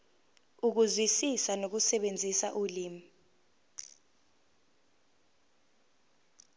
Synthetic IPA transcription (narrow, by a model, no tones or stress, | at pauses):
uk̬uzwisisanok̬usɛɓend͡zʱisa̰ʔuliːmi